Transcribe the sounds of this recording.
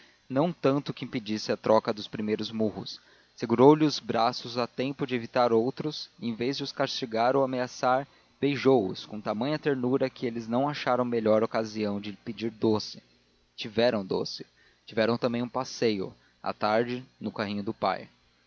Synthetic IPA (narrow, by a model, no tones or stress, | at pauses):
nɐ̃w̃t̪ɐ̃nt̪ʊkɪĩpɪd͡ʒisɪɐt̪ɾɔkɐd̪ʊspɾimejɾʊzmuɦʊ̰sː | eɡuɾowlɪʊzbɾasʊzat̪ẽmpʊd͡ʒɪevit̪aɾowt̪ɾʊsẽj̃vezd͡ʒɪʊskaɾst͡ʃiɡaɾowameasaɾ | b̥ejʒowʊ̰skõt̪amɐ̃ɲ̃ɐt̪eɾnuɾɐkɪelɪznɐ̃w̃aʃaɾɐ̃w̃meʎɔɾokaziɐ̃w̃d͡ʒɪpɪd͡ʒiɾd̪osɪ̥ | t͡ʃivɛɾɐ̃w̃d̪o̰sɪ̥ | t͡ʃivɛɾɐ̃w̃t̪ɐ̃mbẽj̃ũpasejʊ̰ | a̰t̪aɾd͡ʒɪnʊkaɦĩɲʊd̪ʊpa̰j